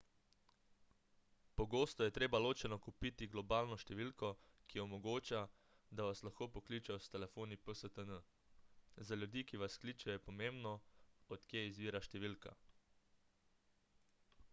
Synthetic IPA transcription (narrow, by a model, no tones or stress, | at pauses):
pɔɡoːst̪ɔjɛt̪ɾeːbaloːt͡ʃɛnɔkupit̪iɡlɔbaːlnɔʃt̪ɛʋiːlkɔ | kiɔmɔɡoːt͡ʃa | d̪aʋaslaxkoːpɔkliːt͡ʃɛjɔst̪ɛlɛfoːnipəsət̪ənə | zalʲjud̪iːkiʋaskliːt͡ʃɛjɛpɔmembnɔɔt̪kjeizʋiːɾaʃt̪ɛʋiːlka̰